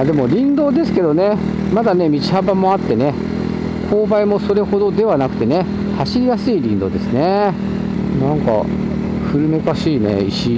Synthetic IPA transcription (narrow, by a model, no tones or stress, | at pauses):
ad̪e̞mo̞ɾʲĩnd̪o̞ːd̪e̞sɨ̥ke̞d̪o̞ne̞ | mad̪ane̞mʲit͡ɕi̥habamo̞at̪ːe̞ne̞ | kʰo̞ːbaimo̞so̞ɾe̞ho̞d̪o̞d̪e̞β̞anakɯ̟̥t̪e̞ne̞ | haɕiɾʲijasɨiɾʲĩnd̪o̞d̪e̞sɨne̞ | nãŋka̰ | ɸɯ̟ɾɯ̟me̞kaɕiːne̞̰iɕi